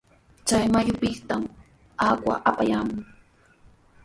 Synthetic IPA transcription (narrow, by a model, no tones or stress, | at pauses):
t͡ʃajmajʊpɪχt̪am | akwa̰ʔapajaːmʊŋ